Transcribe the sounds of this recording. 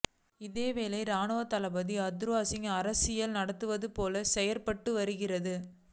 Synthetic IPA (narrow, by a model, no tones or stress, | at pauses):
ɪðeːʋeːlɐɪɾaːnoːɐt̪ɐlɐbɐðiɐd̪ɾɯʋaːsɪŋɐɾɐsɪjɐlnɐɽɐt̪ːɯʋɐðɯpoːlɐsɛjɐɾpɐʈːɯʋɐɾɯɣɪrɐðɯ